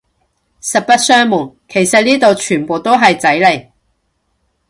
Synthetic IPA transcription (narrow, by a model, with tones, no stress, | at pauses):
sɐ˨˩t̚pɐ˥t̚sœː˥ŋmʊ˨˩ŋ | kʰe˨˩jsɐ˨t̚niː˥t̪o˨wt͡ʃʰyː˨˩npo˨˧wt̪o˥wɦɐ˨jt͡sɐ˨˥jle˨˩j